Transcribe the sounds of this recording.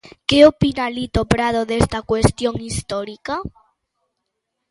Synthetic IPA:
keopinalit̪opɾað̞oðest̪ɐkwest̪joŋist̪oɾika

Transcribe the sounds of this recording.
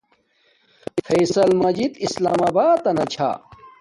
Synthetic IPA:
feːsɐlmɐd͡ʑid̪isla̰ːmaːbaːt̪ɐnɐt͡ɕʰa̰ː

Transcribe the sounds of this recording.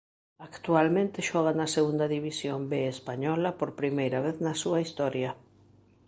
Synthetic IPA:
akt̪ualmẽnt̪ɪʃɔɣ̞ɐnɐseɣund̪ɐðiβisjombeːspaɲɔlɐpoɾpɾimejɾɐβeθnɐsuɐist̪ɔɾjɐ

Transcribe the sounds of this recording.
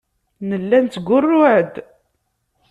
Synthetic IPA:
nəlːænt̪ːɡʷʊrːʊʕəd̪

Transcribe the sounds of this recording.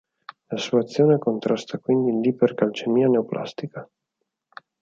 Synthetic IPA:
lasuat̪sːjoːnekont̪ɾast̪ʰakwind̪ilːiperkalt͡ʃemiːaneopla̰st̪ika

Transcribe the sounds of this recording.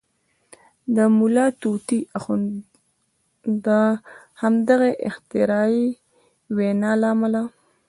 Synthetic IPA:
d̪əmulɑt̪ut̪iʔaxun | d̪ə | hamd̪aɣeʔɪxt̪ɪɾɑji | wenɑlamala

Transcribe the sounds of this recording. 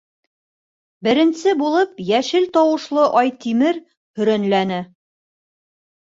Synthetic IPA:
bɘ̆ɾɘ̆nsɘbulˠɤpjæʃɘlt̪ɒwɤ̆ʃlˠɤʔɒjt̪imɘɾ | hɵ̆ɾænlænɘ

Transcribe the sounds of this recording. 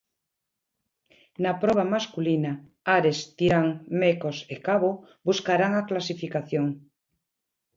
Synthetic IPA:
napɾoβ̞amaskulina | aɾest̪iɾaŋmekosekaβo | buskaɾaŋaklasifikaθjoŋ

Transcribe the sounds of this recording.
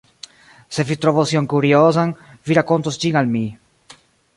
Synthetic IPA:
se̞vitɾovosioŋkuɾiozan | viɾako̞ntosd͡ʒinalmi

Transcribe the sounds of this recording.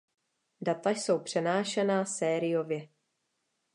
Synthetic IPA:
dat̪ajso̞wpr̥ɛnaːʃɛnasɛːɾɪjo̞vjɛ

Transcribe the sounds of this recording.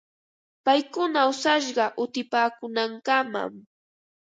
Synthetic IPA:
pajkʊnaʊsaʃɢɑʔʊt̪ɪpaːkʊnaŋkama̰m

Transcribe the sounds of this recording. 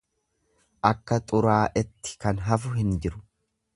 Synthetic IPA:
ʔɐkːɐt̪ʼʊɾaːʔɪt̪ːɪ̥kɐnɦɐfʊɦɪnd͡ʒɪɾʊ̥

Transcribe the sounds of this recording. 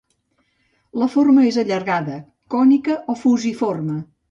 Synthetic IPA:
ləforməezəʎəɾɣaðə | kɔnikəʔɔfuziformə

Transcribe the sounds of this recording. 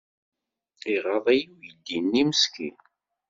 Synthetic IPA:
iʁəðˤæjujəd̪ːinːiməskḭ

